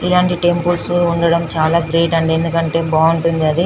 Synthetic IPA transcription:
ilaːɳʈiʈempulsuuɳɖɐɽɐmt͡ʃaːlaːɡɾeːʈɐɳɖend̪ukɐɳʈe̞ːbaːuɳʈund̪iɐd̪i

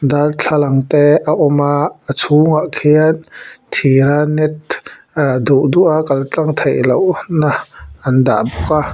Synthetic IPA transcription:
d̪art͡ɬʰalaŋt̪eʔaʔɔmaʔət͡sʰuŋaʔkʰiant̪ʰiɾanɛt̪̚ | d̪uʔduʔaʔkalt͡ɬaŋt̪ʰejlownaʔand̪a̰ʔbuka

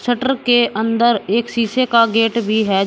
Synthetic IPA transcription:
səʈəɾkeʔə̃nd̪əɾeːksiːsekaɡeːʈbʱiɦɛ

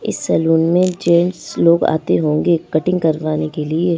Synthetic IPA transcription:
ɪ̰sːɛluːnmẽd͡ʒẽːnsloːɡa̰ːt̪eɦõːŋɡekɐʈɪ̃ŋɡkɐɾʋaːnekelie

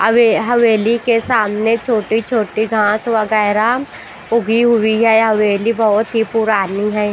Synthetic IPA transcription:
əʋeɦɐʋeːlikesaːmnet͡ʃʰoːʈit͡ʃʰoːʈiɡʱãːt͡ʃʋəɡɛːɾa | ʊɡʱiɦʊiɦɛɦɐʋeːlibɐɦʊt̪ɦipʊɾaːniɦɛː

